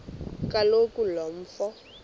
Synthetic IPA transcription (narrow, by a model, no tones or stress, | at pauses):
kʼalokʼulɔm̩ːfɔ